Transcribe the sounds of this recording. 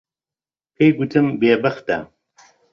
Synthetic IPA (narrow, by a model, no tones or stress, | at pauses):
pʰeːjɡut̪ʰɨmbeːbɐxt̪ɐ̰